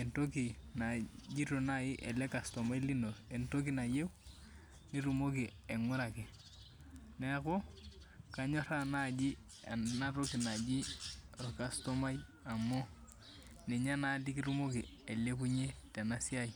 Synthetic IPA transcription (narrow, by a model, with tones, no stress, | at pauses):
e˨nto˦ki˨na˨d͡ʒi˦ɾo˨na˦ji˦ʔe˨le˦ka˨sto˨ma˦i˦li˦no˨e˨nto˦k̬i˨na˨je˦ | ni˦ɾu˨mo˦k̬i˨ | e˨ŋʊ˦ɾa˨ki˨ | nɛ˦ko˦ | ka˨ɲo˦ɾa˦na˦˨d͡ʒi˦ | na˦ɾo˦ki˨na˨d͡ʒi˦ɾo˨ka˨sto˦ma˦j | a˨mo˦ | nɛ˨ɲa˦na˦li˦ki˦ɾu˦mo˦ki˨e˨le˦ku˦ɲe˦te˨na˦si˦a˦ji